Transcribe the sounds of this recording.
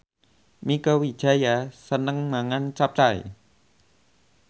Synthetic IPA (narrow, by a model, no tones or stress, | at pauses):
mikəwid̥ʒ̥a̤jasənəŋmaŋant͡ʃap̚t͡ʃaj̰